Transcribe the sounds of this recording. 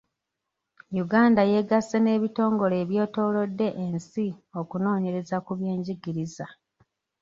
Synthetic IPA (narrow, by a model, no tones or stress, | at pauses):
juɡaːndaje̞ɡasːene̞ːβito̞ːŋɡo̞le̞ːβjo̞ːto̞ːlo̞dːe̞ʔensio̞kuno̞ːɲe̞ɾe̞zakuβje̞ːɲɟiɡiɾiza